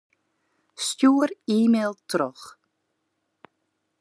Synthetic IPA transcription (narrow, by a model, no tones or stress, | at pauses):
stjuːəriːmelˠtʰrɔx